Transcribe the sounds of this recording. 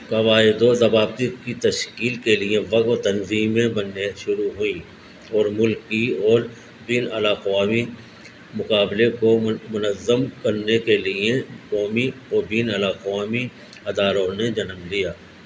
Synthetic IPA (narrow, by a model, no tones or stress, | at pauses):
kɐʋaːɪd̪osɐbaːbt̪ikit̪ɐʃkiːlkelieʋɐk̪t̪ənziːmẽbɐnːeʃʊɾuɦʊi | ɔːɾmʊlkiɔːɾ | biːnɐlaqaːmi | mʊqaːblekomʊnəzːəmkəɾnekelɪekɔːmiɔːɾbiːnəlaqaːmi | ɐd̪aːɾoned͡ʒɐnəmlijaː